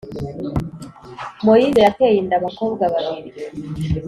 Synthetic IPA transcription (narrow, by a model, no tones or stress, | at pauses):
mojiβejakejindaβakoːbɡwaβaβiɾi